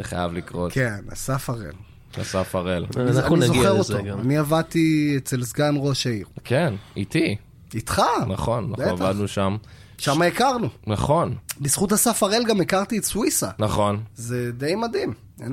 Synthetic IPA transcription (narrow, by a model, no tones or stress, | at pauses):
eχa̰javlikʁotkena̰safaʁḛl | a̰safaʁelanizoeʁotoaniavad̚t̪iet͡se̞lsɡanʁo̞ʃaiʁkʰenit̪i | itχana̰χo̞nːaevaad̪nuʃam | ʃamaekaʁnunaχo̞nbisχutasafaʁelɡamekaʁt̪ietswisanaχo̞nze̞de̞jmadim | en